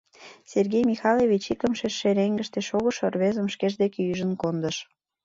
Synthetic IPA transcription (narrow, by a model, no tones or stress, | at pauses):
serɣejmixɑleβit͡ɕik̪əmʃeʃːeɾeŋɡə̆ʃt̪eʃoɣə̆ʃorβezə̆mʃkeʒd̪ekeyʒə̆nkond̪ə̆ʃ